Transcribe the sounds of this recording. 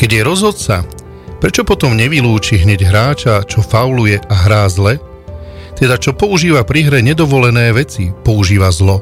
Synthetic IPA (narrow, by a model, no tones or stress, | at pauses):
kɛɟjɛɾɔzɦɔt̪sa̰ | pɾɛt͡ʃɔpɔt̪ɔmɲɛʋiluːt͡ʃiɦɲɛɟɦɾaːt͡ʃat͡ʃɔfaʊlujɛʔaɦɾaːzlɛ | t̪ɛd̪at͡ʃɔpɔuʒiːʋapɾiɦɾɛɲɛd̪ɔʋɔlɛnɛːʋɛt͡sipɔuʒiːʋazlɔ